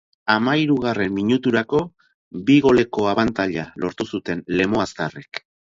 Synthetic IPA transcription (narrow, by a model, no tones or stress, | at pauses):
amaiɾuɣare̞mːiɲut̪uɾako̞ | biɣo̞le̞ko̞aβant̪aʎalʔo̞ɾt̪usut̪e̞nle̞mo̞ast̪arek